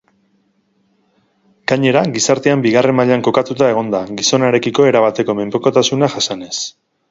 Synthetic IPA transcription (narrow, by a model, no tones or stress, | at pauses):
ɡ̥aɲe̞ɾaɡisaɾt̪e̞ambiɣare̞maʎaŋko̞kat̪ut̪ae̞ɣ̞o̞nd̪aɡiso̞naɾe̞kiko̞e̞ɾaβat̪e̞ko̞me̞mpoko̞t̪asunaʝasane̞s